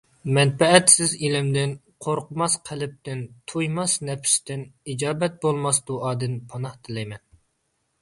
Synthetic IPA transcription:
mɛnpɛɛt̪sɪzilɪmd̪ɪn | qʰoɾqʰʊmɑsqʰælɪp̚t̪ɪnt̪ʰujmɑsnɛpʰʃt̪ɪnid͡ʒɑːbɛt̪̚bolˠmɑsd̪uʔɑːd̪ɨnpʰɑnɑht̪ʰɪlɛjmɛn

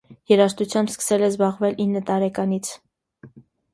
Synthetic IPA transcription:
jɛɾɑʃt̪ut͡sʰjɑmbskə̥sɛlɛzbɑʁvɛlinːət̪ɑɾɛkɑnit͡sʰ

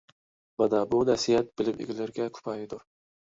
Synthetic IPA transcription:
manabʊnasijat̪̚b̥ɪlɪmʔḛɡʲɪlɪɾɡʲakʰʊ̥pʰajɪd̪ʊɾ

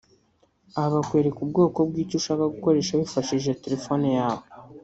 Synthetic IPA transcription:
ahaβakwe̞ːɾekubɡo̞ːko̞bɡiːcuʃaːkaɡuko̞ɾe̞ːʃaβifaʃiʒe̞te̞ɾe̞fo̞nejaːβo

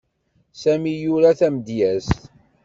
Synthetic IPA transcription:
sæmijuɾæθæmd̪jæst̪

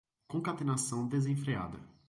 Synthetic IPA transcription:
kõkat̪enasɐ̃w̃d̪ezẽfɾea̰d̪ɐ̰

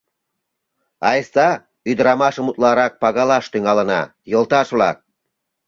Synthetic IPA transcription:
ɑjəst̪ɑ | yd̪əɾɑmɑʃəmut̪lɑɾɑk̚pɑɣɑlɑʃt̪yŋɑlə̆nɑ̰jə̆lt̪ɑʃβlɑ̰k̚

